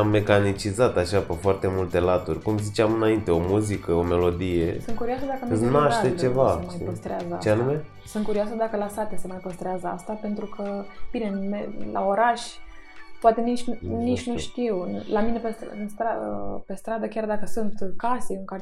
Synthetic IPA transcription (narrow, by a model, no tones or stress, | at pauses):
amːe̞kanit͡ʃizat̪aʃapefoart̪e̞mult̪e̞lat̪urʲkumzit͡ʃeamɨnaint̪e̞o̞muzikəo̞me̞lo̞d̪ije̞sɨnkuɾioasəd̪akəmnaʃt̪et͡ʃe̞vaemajpəst̪ɾeazəat͡ʃeanume̞ | sunt̪kuɾioas̬əd̪akəlasat̪ese̞majpəst̪ɾeazəa̰st̪ape̞nt̪ɾukʰəb̥inenmela̰o̞ɾaʃʲpoat̪e̞nit͡ʃʲnit͡ʃʲnuʃt̪iwlamine̞pesɨnst̪ɾapest̪ɾad̪əkʲard̪akəsunt̪kasiɨŋka